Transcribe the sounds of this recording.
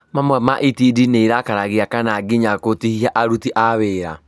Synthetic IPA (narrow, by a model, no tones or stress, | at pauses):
mamwɛmaʔitidineiɾakaɾaɣeakanaɡiɲakotihiaʔaɾutiʔaβeːɾa